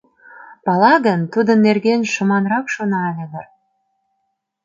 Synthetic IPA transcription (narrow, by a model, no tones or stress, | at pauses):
pɑlɑɣənt̪ud̪ə̆nːerɣenʃə̆mɑnrɑkʃonɑlʲeɣər